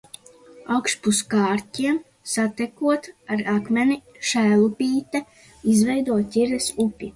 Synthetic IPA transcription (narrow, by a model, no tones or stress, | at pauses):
awkʃpuskaːɾtʲiɛm | sat̪ɛkuɔt̪aɾakmʲɛnʲi | ʃæːlˠupʲiːt̪ɛ | izvɛjd̪uɔt̪ʲiɾɛsupʲi